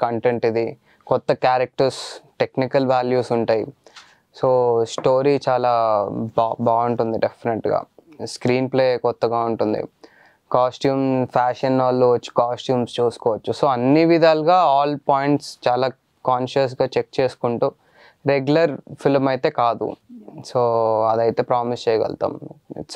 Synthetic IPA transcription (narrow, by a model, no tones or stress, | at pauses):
kɐɳʈeɳʈid̪i | kɔt̪ːɐkjaːɾɐk̚ʈɐɾsʈe̞knikɐlʋaːljuːsuɳʈaːji | soːsʈo̞ːɾiːt͡ʃaːlaːbaːbaːuɳʈund̪iɖepʰːineʈɡa̰ːskɾiːnple̞ːkɔt̪ːɐɡaːuɳʈund̪ḭ | kaːsʈjuːmpʰaːʂɐnaːlːoːʋɐt͡ʃːu̥kaːsʈjuːmst͡ʃuːsu̥kɔːʋɐt͡ʃːuso̞ːɐnːiʋid̪ʱaːlɡaːaːlpaːjiɳʈst͡ʃaːlaː | kaːnʃɐs̬ɡaːt͡ʃek̚t͡ʃe̞ːsu̥kuɳʈuː | ɾeɡjulɐɾpʰilmɐjt̪e̞ːkaːd̪ṵsoːɐd̪ɐjt̪e̞ːpɾaːmist͡ʃɛːjɐʋɛ̰lt̪a̰ːm̰